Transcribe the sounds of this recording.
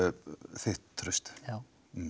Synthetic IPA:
θɪht̪ʰːɾʏst̪ja

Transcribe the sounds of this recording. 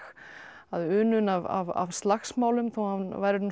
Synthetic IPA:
aðʏːnʏnava̰va̰vst̪laxsmaːwlʏmθowhavnvajɾɪn

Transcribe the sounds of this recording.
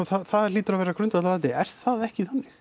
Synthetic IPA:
ɔθaðθaðliːt̪ʏɾavɛːɾakʰɾʏnt̪vɛt̪laɛt̪ːɪɛɾ̥θaðɛhcɪθanːɪ

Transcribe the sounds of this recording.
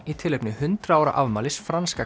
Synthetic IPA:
it̪ʰɪlːejpnɪhʏnt̪ɾaaːwɾa̰ʔavmaːlɪsfɾanska

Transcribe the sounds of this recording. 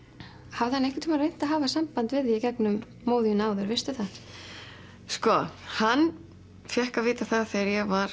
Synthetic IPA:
havðɪhanɛjhkɪt̪ʰuːmaɾrejn̥t̪aɦaːvasampant̪vɪðicɛknʏmː | oːwðijʏnaːwðʏɾvɪst̪ʏθa | skɔhanː | fjɛhkavɪːt̪aθaðθejaɾjɛvaɾ̥

